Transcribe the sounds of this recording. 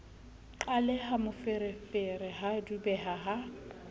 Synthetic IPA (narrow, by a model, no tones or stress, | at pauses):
ǃalɛhamʊfɪɾɪfɪrɪɦadubɛɦaɦa